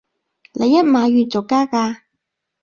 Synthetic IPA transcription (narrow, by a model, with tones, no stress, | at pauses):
lʔe˨˧jːɐ˦˥t̚maː˨˧jyː˨t͡so˨˩kːaː˥kaː˧